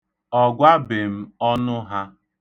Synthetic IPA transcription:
ɔ˨ɡʷa˦bɪ˨m̩˦ɔ˦nʊ˦ɦa˦

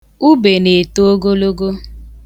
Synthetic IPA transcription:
u˦be˨ne˨to˦o˦ɡo˦lo˦ɡo˦

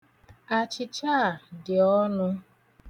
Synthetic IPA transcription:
a˨t͡ʃɪ˨t͡ʃa˦˨dɪ˨ɔ˦nʊ˦

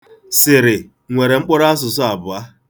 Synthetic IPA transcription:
sɪ˨ɾɪ˨ | ŋʷe˨ɾe˨ŋ͡m̩˦k͡pʊ˦ɾa˦a˦s̬ʊ˨sʊ˦a˨bʊ˨a˦

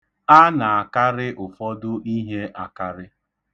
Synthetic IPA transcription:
a˦na˨a˨ka˦ɾɪ˦ʔʊ˨fɔ˦dʊ˦ʔi˦ɦe˦ʔa˨ka˦ɾɪ˦

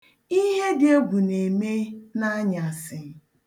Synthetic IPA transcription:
i˦ɦe˦dɪ˨˦o˦ɡʷu˨ne˨me˦na˦a˦ɲa˨sɪ˨

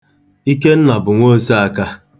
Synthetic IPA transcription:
i˦ke˦n̩˦na˨bʊ˨ŋʷo˦se˦a˦˨ka˦

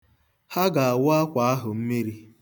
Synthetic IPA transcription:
ha˦ɡa˨a˨wʊ˦a˦kʷa˨a˦ɦʊ˨m̩˦me˦ɾi˦

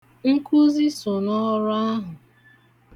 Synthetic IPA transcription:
ŋ̩˦ku˦zi˦sʊ˨nɔ˦ɾʊ˦a˦ɦʊ˨

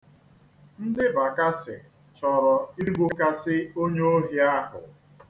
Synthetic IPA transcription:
n̩˦dɪ˦ba˨ka˦sɪ̰˨ | t͡ʃɔ˨ɾɔ˨i˦ɾɡ͡bo˦ka˦sɪ˦o˦ɲo˦o˦ɦi˦a˦ɦʊ̰˨

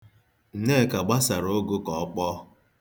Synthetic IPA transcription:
n̩˨ne˦˨ka˨ɡ͡ba˦sa˨ɾo˦ɡʊ˦kɔ˨˦k͡pɔ˦

